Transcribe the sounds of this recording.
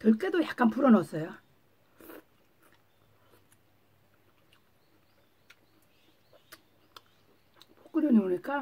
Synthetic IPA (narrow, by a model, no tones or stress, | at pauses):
tʌɭk͈edojak͈anpuɾʌnʌs͈ʌjo | pʰo̥k͈ɯɾjʌɲioɲik͈a